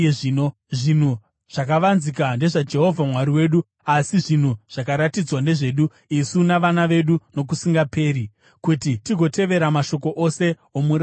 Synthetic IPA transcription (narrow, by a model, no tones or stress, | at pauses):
ino | ʐin̤u | ʐ̥ak̬aʋanzikande̞ʐad͡ʒe̞ɦo̞vʱamwaɾiwe̞ːɗu | asiʐin̤uʐ̥akaɾatid͡zwande̞ʐe̞ːɗu | isunaʋanaʋe̞ɗuno̞k̬usiŋɡape̞ːɾi | kutitiɡʱo̞te̞ʋe̞ɾamaʃo̞ko̞ʔo̞se̞ | omuɾa